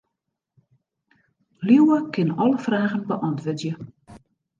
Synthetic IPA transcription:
liwəkɪnɔləfraːɣənbəʔɑntʋøtjə

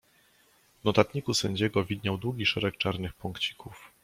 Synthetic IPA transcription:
vnɔt̪at̪ɲikusɛɲd͡ʑɛɡɔvʲid̪ɲawd̪wuɡʲiʂɛɾɛkt͡ʂaɾnɘxpɔŋkt͡ɕi̥kʰuf

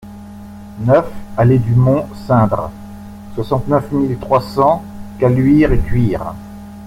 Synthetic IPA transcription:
nœfaled̪ymɔ̃sɛ̃d̪ʁ | swasɑ̃t̪nœfmilt̪χwasɑ̃ | kalɥiʁekʲɥiːʁ

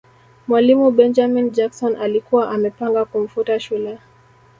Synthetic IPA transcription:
mwalimubɛnd͡ʒamind͡ʒaksɔnʔalikuwaʔamɛpaŋɡakum̩futaʃulɛ

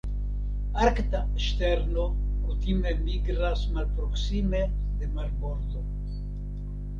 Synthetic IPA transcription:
aɾkt̪aeʃt̪eɾnokut̪imemiɡɾasmalpɾoksimed̪emaɾboɾd̪o

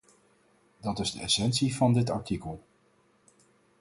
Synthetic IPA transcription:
dɑtɪzdəɛ̰sɛnsivɑndɪtɑ̰ɹtikəlˠ

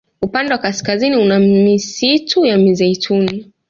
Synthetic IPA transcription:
upandɛwakaskaziniunamisitʰujamizɛitʰuni

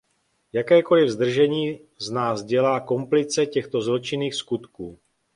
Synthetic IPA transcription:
jakɛːko̞lɪvzd̪r̩ʒɛɲiː | znaːzɟɛlaːko̞mplɪt͡sɛcɛxt̪o̞zlot͡ʃɪniːxskut̪kuː

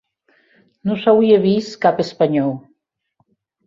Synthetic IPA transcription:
nusawieβiskapespaɲɔw

